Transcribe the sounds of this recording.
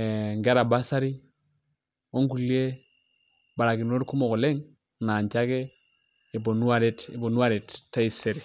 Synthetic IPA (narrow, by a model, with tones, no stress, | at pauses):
ŋɡe˦ɾa˨ba˦sa˦ɾi˦ | o˦ŋku˨li˦e˦ | ba˨ɾa˨ki˨no˦ɾku˦mo˨ko˨le˦ŋ | na˨ɲt͡ʃa˦ke˦ | i˨bo˨nu˦a˦˨ɾi˦ti˨bo˨nu˦a˦ɾi˨ttːa˦i˦˨se˨ɾi˨